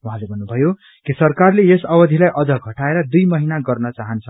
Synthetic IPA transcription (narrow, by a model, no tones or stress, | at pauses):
uɦãlebʱʌnːubʱʌjo | kisʌrkarleesʌwʌd̪ʱilajʔʌd͡zʌɡʱʌʈaeɾʌd̪ujmʌɦinaɡʌrnʌt͡saɦʌnt͡sʰʌ